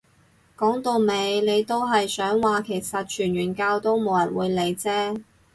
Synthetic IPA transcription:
kɔː˨˥ŋt̪o˨˧wme˨˧jne˨˧jt̪o˥wɦɐ˨jsœː˨˥ŋwaː˨kʰe˨˩jsɐ˨t̚t͡ʃʰyː˨˩nɥyː˨˩nkaː˧wt̪o˥wmo˨˧wjɐ˨˩nwuː˨˧jle˨˧jt͡sɛː˥

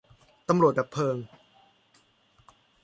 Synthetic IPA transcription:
t̪a˧mɾu˨˩ət̪̚bɛː˨˩pʰːɤː˧ŋ

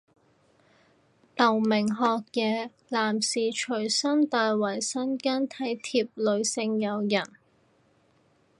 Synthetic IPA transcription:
t̪ɐ˨˩wmɪ˨˩ŋɦɔː˧k̚jɛː˨˧ | laː˨˩msiː˨t͡ʃʰɵ˨˩ɥsɐ˥nt̪aː˧jwɐ˨˩jsɐ˥nkaː˥nt̪ʰɐ˨˥jt̪ʰiː˧p̚lɵ˨˧ɥsɪ˧ŋjɐ˨˧wjɐ˨˩n

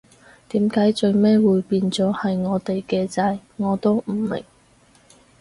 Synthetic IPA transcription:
t̪iː˨˥mkaː˨˥jt͡sɵ˧ɥmɛː˥wuː˨˧jpiː˧nt͡sɔː˨˥hɐ˨jŋɔː˨˧t̪e˨jkɛː˧t͡sɐ˧jŋɔː˨˧t̪o˥wm̩˨˩mɪ̰˨˩ŋ

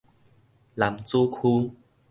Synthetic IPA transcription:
la˨˩mt͡su˦kʰu˦

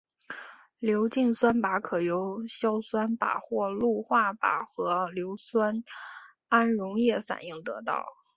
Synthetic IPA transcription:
ljo˧˥ʊt͡ɕi˥˩ŋswa˥npa˧˥kʰɤ˨˩jo˧˥ʊɕjɑ˥ʊswa˥npa̰˨˩xwɔ˥˧lu˥˧xwa˥˩pa̰˨˩xɤ˧˥ljo˧˥ʊswa˥n | a˥nɻʊ˧˥ŋjɛ˥˩fa̰˨˩ni˥˩ŋt̪ɤ̰˧˥t̪ɑ̰˥˩ʊ

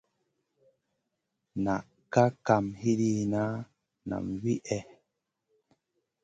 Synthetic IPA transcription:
na˨ | ka˦ka˨mhi˦ɾi˦na˦ | na̰˨mwi˦ʔɛ˦

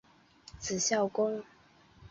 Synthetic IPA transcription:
t͡sʰɹ̩˨˩ɕjɑ˥˩ʊkʊ˥ŋ

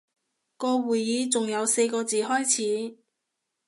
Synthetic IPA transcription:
kɔː˧wuː˨˩jjiː˨˧t͡sʊ˨ŋjɐ˨˧wse˧jkɔː˧t͡siː˨ɦɔː˥jt͡sʰiː˨˥

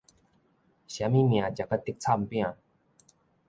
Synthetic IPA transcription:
ɕja˧˦mĩ˦˥˨mĩ˨a˨t͡ɕa˨˩ka˦˧t̪i˦k̚t͡sʰa˥˨mpĩ˥˧a˨

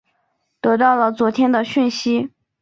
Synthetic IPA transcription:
t̪ɤ˧˥t̪ɑ˥˩ʊlə˩t͡swɔ˧˥t̪ʰjɛ˥nd̪ə˨ɕy˥˩nɕi˥

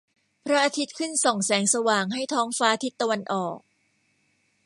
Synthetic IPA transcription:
pʰɾa˦˥ʔaː˧t̪ʰi˦˥t̪̚kʰɯ˥˩nsɔ˨˩ŋsɛː˩˦ŋsa˧waː˨˩ŋɦa˥˩jt̪ʰɔː˦˥ŋfaː˦˥˧t̪ʰi˦˥t̪ːa˧wa˧nʔɔː˨˩k̚

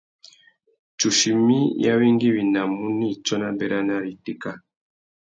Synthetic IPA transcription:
t͡ʃu˨ʃi˨mi˦ja̰˦βi˦ŋɡi˦βi˨na˨mu˦ni˦˨t͡ʃɔ˦na˦bɛ˦ɾa˦na˦ɾi˨ti˦˨ka˦˨

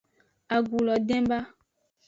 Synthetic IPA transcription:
a˨ɡu˨lɔ˨dɛ̃˦mba˦

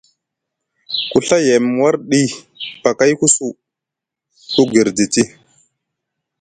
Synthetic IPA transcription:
ku˨ɬa˦je˨mwa˦ɾɗi˦ | pa˨ka˦jku˦su˦˨ | ku˦ɡi˨ɾdi˨ti˦

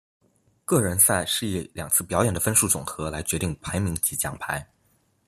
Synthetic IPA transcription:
kɤ˥˩ɻə˧˥nsa˥˩ɪʂɻ̩˥˧i˥˩ljɑ̰˨˩ŋt͡sʰɹ̩˥˩pjɑ˧˥ʊjɛ˨˩nd̪ə˦fə˥nʂu˥˩ʈ͡ʂʊ˨˩ŋxɤ˧˥la˧˥ɪt͡ɕɥɛ˧˥t̪i˥˩ŋpʰa˧˥ɪmi˧˥ŋt͡ɕi˧˥t͡ɕjɑ̰˧˥˩ŋpʰa˧˥ɪ

